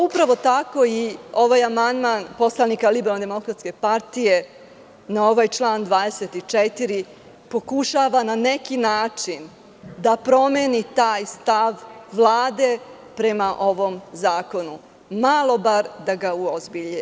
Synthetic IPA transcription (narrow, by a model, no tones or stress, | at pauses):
upɾaʋo̞t̪ako̞io̞ʋaːjamand̪manpo̞slˠanikalibeɾalnd̪emo̞kɾat̪ske̞paɾt̪ije̞ | nao̞ʋajt͡ʃlˠaːnd̪ʋaːd̪e̞set̪it͡ʃet̪iɾi | po̞kuʃaːʋanane̞kinaːt͡ʂin | d̪apɾo̞menit̪aːjst̪aʋʋlˠaːd̪e̞ | pɾe̞maʔo̞ʋo̞mzaːko̞nu | malˠo̞baɾd̪aɡauozbiʎe